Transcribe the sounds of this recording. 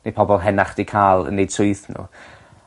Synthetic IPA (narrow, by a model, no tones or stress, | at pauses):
nepʰɔbɔlˠɦɛnaχd̥ikʰaːlˠə̰nːejd̥sʊɨθnṵ